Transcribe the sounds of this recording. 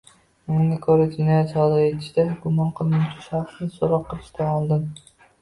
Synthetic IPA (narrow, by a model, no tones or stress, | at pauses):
ʊnɪŋɡʲakʰɵɾad͡ʒenɒjat̪sɒd̪ɪɾet̪ʰɪ̥ʃd̪aɡʊmɒnqʰɨlˠmʊmt͡ʃʰʊʃaχsnɪsoɾɒqʰːɨlˠɪʃt̪ʰaɒlˠd̪ɪm